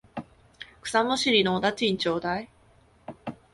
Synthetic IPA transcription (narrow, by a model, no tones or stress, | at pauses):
kɯ̟̥samoɕiɾʲinoːd̪at͡ɕĩɲt͡ɕoːd̪ai